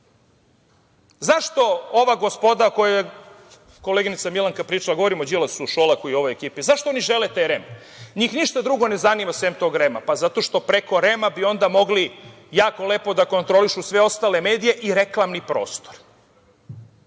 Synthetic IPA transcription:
zaʃt̪o̞oʋaɡo̞spo̞d̪akojeje | ko̞leɡinit̪samilˠaŋkapɾiːt͡ʃalaɡoʋoɾimod͡ʑilasuʃolˠakuio̞ʋo̞jekiːpizaʃt̪ooniʒe̞let̪eɾem | ɲiːxniʃt̪ad̪ɾuɡo̞ne̞zanimasʋemt̪o̞ːɡɾema̰pazat̪o̞ʃt̪o̞pɾe̞ko̞ɾe̞mabio̞nd̪amo̞ɡli | jaːko̞le̞ːpo̞d̪ako̞nt̪ɾo̞liʃusʋe̞o̞st̪aːle̞me̞ːd̪ije̞ʔiɾe̞klˠamnipɾo̞̰ːst̪oɾ

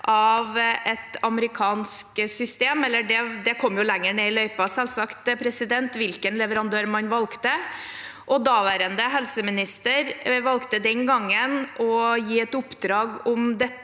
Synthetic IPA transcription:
ʔɑʋɛt̪ɑməɾɪkʰɑːnsksʏst̪eːmɛlːəɖɛd̪ɛkʰɔmːjʊlæŋːəɳeːɪlœʏpɑsɛlsɑkt̪pʰɾɛsɪd̪ɛnt̪ʋɪlkənlɛʋəɾɑnd̪øːɾmɑnʋɑlkt̪ə | ʔɔd̪ɑːʋæːɾənd̪əɦɛlsəmɪnɪst̪əɾʋɑlkt̪əd̪ɛnɡɑŋːənʔɔjiːɛt̪ʊpːd̪ɾɑːɡɔmd̪ɛ

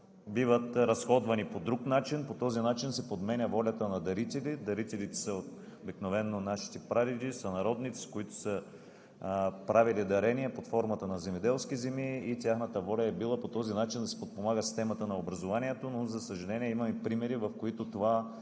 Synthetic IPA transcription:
bivət̪ɾɐsxɔd̪vɐnipod̪ɾuknat͡ʃinpot̪ɔzinat͡ʃinsɛpod̪mɛnʲəvɔlʲɐt̪ənɐd̪ɐɾit̪ɛlid̪ɐɾit̪ɛlit̪ɛ̥sɐobiknovɛnːonaʃi̥t̪ɛpɾad̪id̪isɐnɐɾɔd̪nit̪si̥koit̪o̥sə | pɾavilid̪ɐɾɛniɛpot̪fɔɾmɐt̪ənɐzɛmɛd̪ɛlˠskizɛmiːt̪ʲjaxnət̪əvɔlʲɐɛbilˠəpot̪ɔzinat͡ʃind̪ɐsɛ̥pot̪̚pomaɡəsi̥st̪ɛmɐt̪ənɐobɾɐzovaniɛt̪onozɐsəʒɐlɛniɛimɐmɛpɾimɛɾivɐfkoit̪ot̪ova

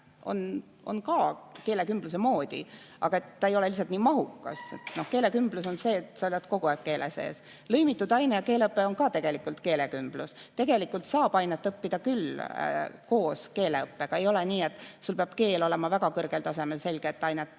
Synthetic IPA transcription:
o̞̰n | o̞̰nkɑːke̞ːle̞kymb̥lus̬e̞mo̞ːd̪̥ḭ | ʔɑ̰ɡ̥ɑe̞t̪ːɑejo̞le̞lis̬ɑt̪niːmɑɦukːˑɑ̰sḛt̪no̞hke̞ːle̞kymb̥lus̬o̞nse̞ːt̪sɑolʲjɑt̪ko̞ɡ̥oækːe̞ːlʔese̞̰ːs | lɤjmit̪ːˑud̪ɑjnejɑke̞ːleɤpːˑeo̞nkɑːt̪e̞ɡ̥e̞likːˑult̪ke̞ːle̞kymb̥lust̪e̞ɡ̥e̞likːˑult̪sɑːbɑjnet̪ːˑɤpːid̪̥ɑkyl | ko̞ːske̞ːleɤpːeɡ̥ɑe̞jo̞leniːe̞t̪ːˑsulpeɑb̥ke̞ːlo̞le̞mɑvæɡɑkɤrɡ̥elt̪ɑse̞me̞lse̞lʲɡ̥eːt̪ːˑɑjnet̪ːˑ

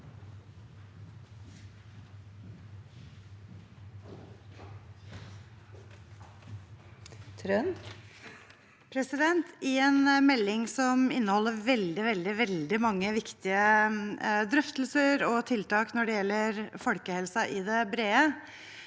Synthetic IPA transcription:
t̪ʰɾœn | pʰɾɛsɪd̪ɛnt̪ʰɪeːnmɛlːɪŋsɔmɪ̰nːəhɔlːəɾʋɛld̪ɪʋɛld̪ɪʋɛld̪ɪmɑŋːəʋɪkt̪ɪə | d̪ɾœft̪l̩səɾɔt̪ʰɪlt̪ɑːknɔɖɛjɛlːəɾfɔlkəhɛlsɑʔɪd̪ɛbɾeːə

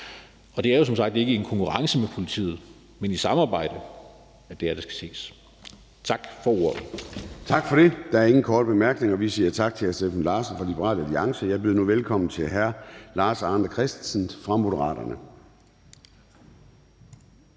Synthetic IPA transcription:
ɒ̽d̥e̝æɐjo̝s̬ɒ̽msɑ̈ɡ̥̚d̥e̝ɡ̥əe̝nkʰɒ̽ŋkʰuʁɑ̈ŋsəmepʰo̝lit͡sʰḭːð̩ˠ | menisɑ̈mɑ̈ːb̥ɑ̈ɪ̰d̥ə | æd̥e̝æɐɾ̥æsɡ̥æ̥se̝̰ːs | t͡sʰɑ̈ɡ̥fɒ̽oɐ̰t͡sʰɑ̈ɡ̥fɒɾ̥e̝d̥ɑ̈æɐe̝ŋn̩kʰɒːd̥əb̥e̝mæɐɡ̥ne̝ŋɒʋisiːɐt͡sʰɑ̈ɡ̥̚t͡sʰe̝æsd̥efn̩lɑːs̩fɒlib̥eʁɑ̰ːləæliɑ̈ŋsəjɑ̈ɪb̥eðˠnuʋelkʰɒ̽m̰n̩t͡sʰe̝lɦæɐlɑ̈ːsɑ̈ːnd̥ɐkʰʁɛsd̥sn̩fʁɑ̈mo̝ɾəʁɑ̰̈ːɾ̥ɐnə

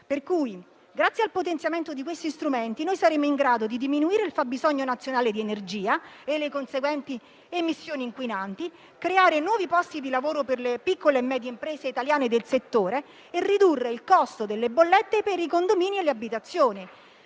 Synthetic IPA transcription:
perkuːj | ɡɾat̪sːjealpot̪ent̪sjament̪od̪ikwest̪ist̪ɾument̪inojsaɾeːmoiŋɡɾaːd̪od̪id̪iminuiːɾeilfabːizɔɲːonat̪sjonaːled̪ienerd͡ʒiːaelːekonseɡwɛnt̪i | emisːjoːniŋkwinant̪i | kɾeaːɾenwɔːvipɔst̪id̪ilavoːɾoperlepikːoleːmːɛːd̪jeimpɾɛːseit̪aljaːned̪elset̪ːoːɾeː | rːid̪urːeilkɔst̪od̪elːebolːet̪ːepeɾikond̪omiːnielːeabːit̪at̪sːjoːni

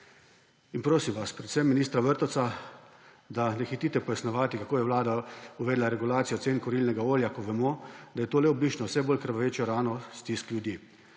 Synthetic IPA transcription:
inpɾoːsimʋaspɾɛt̪sɛmːiniːst̪ɾaʋəɾt̪ɔsa | d̪anɛxit̪iːt̪ɛpɔjasnɔʋaːt̪ikakoːjɛʋlaːd̪auʋɛːd̪laɾɛɡulaːt̪sijɔt̪seːnkɔɾilnɛɡaoːljakɔʋɛmɔd̪ajɛt̪oːlɛɔbliːt͡ʃnɔwsɛboːlkəɾʋaʋeːt͡ʃjɔɾaːnɔst̪iskljud̪jiː

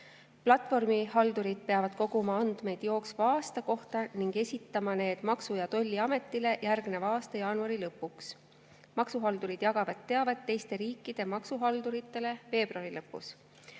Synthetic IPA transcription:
plɑt̪ːˑfo̞rmihɑld̪uɾid̪̥̚pe̞ɑvɑd̪̥̚ko̞ɡumɑɑnd̪̥me̞jd̪̥jo̞ːksvɑɑːst̪ɑko̞ht̪ɑniŋɡ̥e̞sʲit̪ːˑɑmɑne̞ːd̪̥mɑksujɑt̪o̞lʲːiɑme̞t̪ˑːile̞jærɡmne̞vɑːst̪ɑjɑːnuɑɾilɤpːˑuks | mɑksuɦɑld̪uɾid̪̥jɑɡ̥ɑvɑt̪ːe̞ɑved̪̚tːe̞jst̪e̞ɾiːkːˑid̪̥e̞mɑksuɦɑld̪uɾit̪ːˑe̞le̞ve̞ːb̥ruɑɾilɤpːˑṵs

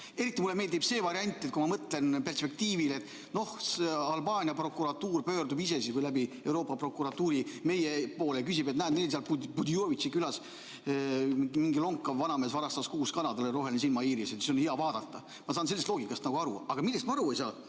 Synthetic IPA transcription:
e̞ɾit̪ːˑimulːeme̞ːld̪ib̥se̞ːvɑɾiɑnʲt̪ːˑet̪̚kumɑmɤt̪le̞npe̞rspe̞k̚t̪iːvilet̪ːˑ | no̞hseɑlbɑːnʲiɑpro̞kːˑuɾɑt̪uːrpø̞ːrd̪ubise̞siskujlæbie̞wɾo̞ːpːˑɑpro̞kːˑuɾɑt̪ːuːɾime̞jepo̞ːlekysibet̪næːnnelseɑlpubud̪ioːvisikylɑs | miŋɡilo̞ŋkːˑɑvɑnɑmeːsvɑɾɑst̪ɑskuːskɑnɑd̪̥ɑleɾo̞ɦe̞lnis̬ilmɑiːɾiset̪siso̞nheɑvɑːd̪̥ɑt̪ːɑ | mɑsɑːns̬elːest̪loːɡ̥ikːˑɑst̪nɑɡuɑɾṵɑɡ̥ɑmilːest̪mɑɑɾuejsɑː

